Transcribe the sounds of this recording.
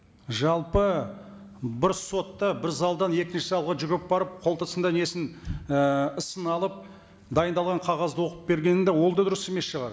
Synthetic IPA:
ʒɑlˠpə | bɪɾso̞t̪ːɑbɪɾzɑlˠd̪ɑnje̞kʲɪnʃɪsɑlˠʁəʒʏɡʲɪp̚bɑɾəp̚qʰo̞lˠt̪ʰəsənd̪ɑne̞sɪn | əsənɑlˠəp̚ | d̪ɑjənd̪ɑlˠʁɑɴqʰɑʁɑzd̪əwo̞qəp̚be̞ɾɡʲe̞nɪnd̪ewo̞lˠd̪ɑd̪ʊɾəseme̞sʃəʁɑɾ

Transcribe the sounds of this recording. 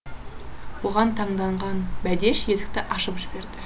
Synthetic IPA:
wo̞ʁɑnt̪ʰɑɴd̪ɑɴʁɑnbæd̪e̞ʃje̞zɪ̥k̚t̪ɪʔɑʃəpʒ̥ɪbe̞ɾd̪ɪ

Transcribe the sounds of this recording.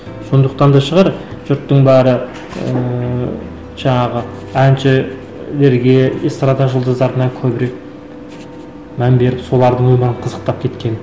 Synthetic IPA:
so̞nd̪əqt̪ɑnd̪ɑʃəʁɑɾʒ̥ʊɾt̪ːəɴbæɾə | ə̰ | ʒ̥ɑɴɑʁə | ænt͡ʃɪ | le̞ɾɡʲe̞est̪ɾɑd̪ɑʒəlˠd̪əzɑɾt̪ənɑŋkʲʰɵbɪɾe̞k̚ | mænbe̞ɾɪpso̞lˠɑɾd̪əɴwɵməɾəɴqʰəzəq̚t̪ɑp̚kʲʰe̞t̪kʲe̞n

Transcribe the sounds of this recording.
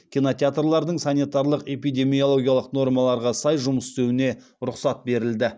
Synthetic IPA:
kʲijno̞t̪ʲeat̪rlˠɑɾd̪əɴsanijt̪ɑɾlˠəqe̞pijd̪ʲe̞mijo̞lˠo̞ɡʲijalˠəqno̞ɾmɑlˠɑɾʁɑsɑjʒʊməsɪ̥st̪e̞wɪne̞ | ɾʊqsɑt̪̚be̞ɾɪld̪ɪ

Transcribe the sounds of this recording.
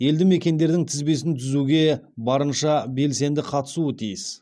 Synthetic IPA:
je̞ld̪ɪme̞kʲe̞nd̪e̞ɾd̪ɪŋt̪ʰɪzbe̞s̬ɪnt̪ʰʏzuɡʲe̞ | bɑɾənʃɑbe̞lse̞nd̪ɪqʰɑt̪ə̥suət̪ʰijɪs

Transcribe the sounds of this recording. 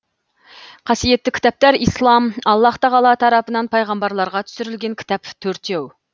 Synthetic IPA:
qʰɑsijet̪ːɪkʲʰi̥t̪ɑp̚t̪æɾislˠɑmɑlˠːɑht̪ɑʁɑlˠɑt̪ʰɑɾɑpənɑnpʰɑjʁɑmbɑɾlˠɑɾʁɑt̪ʰy̥syɾylɡʲɛnkʲʰi̥t̪ʰɑpt̪ʰøɾt̪jew

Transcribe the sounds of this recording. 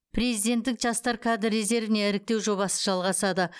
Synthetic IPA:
pʰɾe̞zijd̪e̞nt̪ːɪkʒɑst̪ɑɾkʰad̪ɪɾːeze̞ɾvɪne̞ɪɾɪk̚t̪e̞wʒo̞βɑsə̥ʒɑlˠʁɑsɑd̪ə

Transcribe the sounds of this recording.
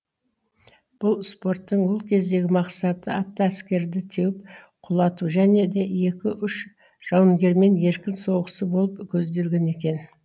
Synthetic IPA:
b̥ʊlˠspo̞rt̪ːəɴwo̞lˠkʲʰe̞zd̪e̞ɡʲɪmɑqsɑt̪əɑt̪ːɑæskʲe̞ɾd̪ɪt̪ʰewɪp̚ | qʰʊlˠɑt̪uʒæne̞d̪e̞je̞kʲɪʔʏʃ | ʒ̥ɑwəŋɡʲe̞ɾme̞nje̞ɾkʲɪnso̞wʁəsəbo̞lˠəpkʲʰɵzd̪e̞lɡʲe̞ne̞kʲe̞n

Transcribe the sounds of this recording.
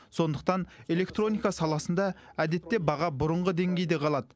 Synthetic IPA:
so̞nd̪əq̚t̪ɑne̞lʲe̞kt̪ro̞nijkɑsɑlˠɑsənd̪ɑæd̪e̞t̪ːe̞bɑʁɑbʊɾəɴʁəd̪e̞ŋɡʲe̞jd̪eqʰɑlˠɑd̪ə

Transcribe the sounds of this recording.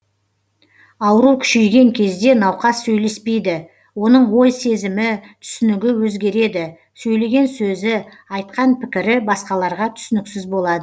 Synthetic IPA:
ɑwəɾukʲʰʏ̥ʃejɡʲe̞ŋkʲʰe̞zd̪e̞nɑwqɑsːɵjle̞spe̞jd̪ɪ | wo̞nəɴwo̞jse̞zɪmɪt̪ʰʏ̥sʏnɪɡʲɪwɵzɡʲe̞ɾe̞d̪ɪ | sɵjle̞ɡʲe̞nsɵzɪ | ɑjt̪̚qɑnpʰɪkʲɪɾɪbɑsqɑlˠɑɾʁɑt̪ʰʏ̥sɪnɪksɪzbo̞lˠɑd̪ə

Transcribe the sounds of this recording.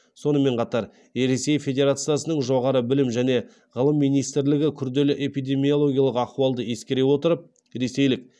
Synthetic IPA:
so̞nəme̞ɴqʰɑt̪ɑɾ | ɾe̞se̞jfʲe̞d̪ʲe̞ɾat̪sɨjasənəɴʒo̞ʁɑɾəbɪlɪmʒæne̞ | ʁəlˠəmːijnijst̪ɪɾlɪɡʲɪkʲʰʏɾd̪e̞lɪʔe̞pijd̪e̞mijo̞lˠo̞ɡʲijalˠəqɑq̪uɑlˠd̪əje̞skʲe̞ɾe̞wo̞t̪əɾəp̚ | ɾe̞se̞jlɪk̚

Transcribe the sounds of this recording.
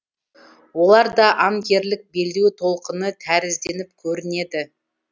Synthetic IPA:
wo̞lˠɑɾd̪ɑʔɑmkʲe̞ɾlɪk̚be̞ld̪ewt̪ʰo̞lˠqənət̪ʰæɾɪzd̪e̞nɪp̚kʲʰɵɾɪne̞d̪ɪ

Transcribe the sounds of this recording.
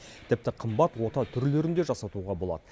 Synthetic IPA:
t̪ʰɪp̚t̪ɪqʰəmbɑt̪wo̞t̪ɑt̪ʰʏɾleɾɪnd̪e̞ʒɑsɑt̪uʁɑbo̞lˠɑ̰d̪̥ə

